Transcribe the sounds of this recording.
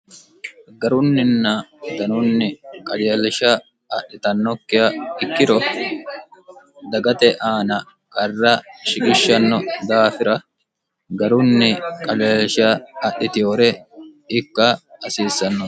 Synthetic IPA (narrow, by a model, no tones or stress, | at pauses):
ɡɐɾʊnːɪnːɐd̪ɐnʊnːɪkʼɐlɐlʃɐː | ʔːɪt̪ɐnːɔkːɪjɐɪkːɪɾɔ | d̪ɐɡɐt̪ɛʔaːnɐ | kʼɐrːɐʃɪkʼɪʃːɐnːɔd̪aːfɪɾɐ | ɡɐɾʊnːɪkʼɐlɪlʃɐːʔɪt̪ɪjoːɾɛɪkːɐːsiːsːɐnːɔ